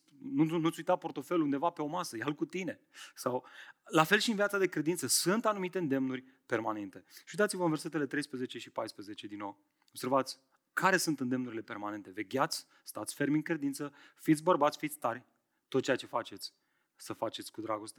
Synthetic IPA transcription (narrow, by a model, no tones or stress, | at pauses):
nunut̪sʲujt̪apo̞ɾt̪o̞fe̞lund̪e̞vape̞o̞masəjalkut̪ine̞ | sawlafe̞lʃiɨnvjat̪ad̪e̞kɾe̞d̪int̪səsɨnt̪anumit̪e̞ɨnd̪e̞mnurʲ | pe̞rmane̞nt̪e̞ʃiujd̪at̪sivəɨnve̞rse̞t̪e̞le̞t̪ɾe̞jspɾezet͡ʃe̞ʃipajspɾeze̞t͡ʃe̞d̪inːo̞w | obseɾvat̪sʲ | kʰaɾe̞sunt̪ɨnd̪e̞mnuɾilepe̞rmane̞nt̪e̞ve̞ɡʲat̪sʲ | st̪at̪sʲfe̞ɾmiŋkɾe̞d̪int̪səfit̪sʲbərbat̪sʲfit̪sʲt̪arʲ | t̪ot̪t͡ʃeat͡ʃe̞fat͡ʃe̞t̪sʲ | səfat͡ʃe̞t̪sʲkud̪ɾaɡo̞st̪e